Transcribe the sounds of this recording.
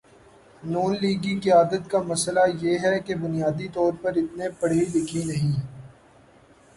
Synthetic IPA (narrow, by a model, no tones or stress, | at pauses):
nuːnliːɡĩkiaːd̪ət̪kamɐslajeːɦɛkebʊnijaːd̪it̪ɔːɾpɐɾɪt̪nepɐɽ̤eilɪkʰinɐɦĩ